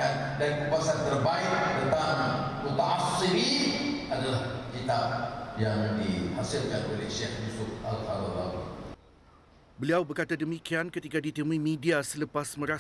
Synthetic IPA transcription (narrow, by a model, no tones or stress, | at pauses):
an | dankəpuasant̪ərbaɪkdət̪anmut̪aasiɾiadalahkit̪ap̚jaŋdihasɪlkanolehʃɛhjusʊfa̰lfaɾalanḭ | bəliawbərkat̪adəmikiankət̪ikadit̪əmuĩmĩdiasələpasmə̃ɾa